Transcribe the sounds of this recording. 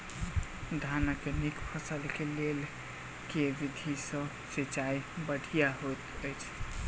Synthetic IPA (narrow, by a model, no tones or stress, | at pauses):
d̪ʱanakenikpʰəsəlkelel | keʋid̪ʱisə̃ | set͡ʃaibəɽ̤ʱijaɦojt̪ | əjt͡ʃʰ